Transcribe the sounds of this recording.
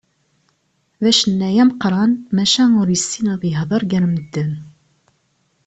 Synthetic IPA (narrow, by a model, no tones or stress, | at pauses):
ðæʃənːæjæmqɾˤɑnmæʃænʊɾjəsːinɑðiɦðˤəɾˤɡæɾməd̪ːən